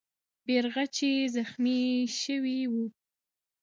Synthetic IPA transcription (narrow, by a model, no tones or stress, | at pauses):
beɾɣat͡ʃezaxmiʃəwiwu